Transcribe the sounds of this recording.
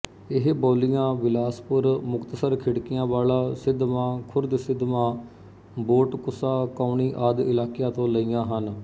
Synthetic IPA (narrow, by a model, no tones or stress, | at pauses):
ɪɦbɔːlɪjãːʋɪlaːspʊɾmʊkt̪əsəɾkʰɪɽkɪjãːʋaːlaːsɪd̪mãːkʰʊɾd̪sɪd̪mãː | boːʈkʊsaːkaːniːʔaːd̪ɪlaːkjaːt̪õːləiːãːɦən